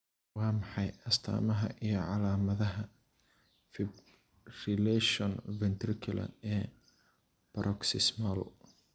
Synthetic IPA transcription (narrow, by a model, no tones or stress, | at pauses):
wɑːmħɑjɐst̪ʰa̰ːmɐɦɐ̰ʔijɞʕɑlaːmɐðɐɦɐ | fɪb | rɪlɛʃɔnvɛnt̪ɾɪkʰʊlɐ̰nɛː | b̥ɐɾʔɔksɪsmɐlʊ̰